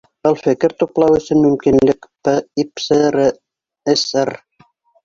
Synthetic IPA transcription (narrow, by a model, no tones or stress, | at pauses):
ɤ̆lˠfɘ̆kɘɾt̪uqlˠɑwɵ̆sɵnmɵ̆mkinlɘkpɘipsɘɾɘ | esɘr